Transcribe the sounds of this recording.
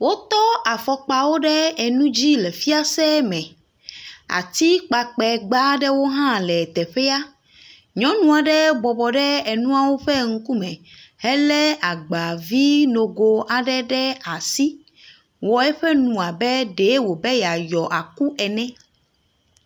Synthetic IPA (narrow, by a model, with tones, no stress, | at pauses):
wo˦t̪ɔ˦a˨fɔ˨k͡pa˨wo˦ɖɛ˦ɛ˨nũ˦d͡ʑi˦lɛ˨fi˦a˦sɛ˦mɛ̃˨ | a̰˨t̪i˦k͡pa˨k͡pɛ˨ɡ͡ba˦ɖɛ˦wo˦ɦã˦lɛ˨t̪ɛ˨ɸɛ˦a˦ | ɲɔ̃˨˦nũ˦a˨ɖɛ˦bɔ˨bɔ˨ɖɛ˦ɛ˨nũ˦a˨wo˦ɸɛ˦ŋ̩˦ku˦mɛ̃˨hɛ˦lɛ˦a˨ɡ͡ba˨vi˦no˨ɡo˨ʔa˨ɖɛ˦ɖɛ˦a˨si˦ | wɔ˨ɛ˦ɸɛ˦nũ˨a˨bɛ˦ɖe˨˦wo˨be˦ja˨jɔ˨ʔa˨ku˦ɛ˨nɛ̃˦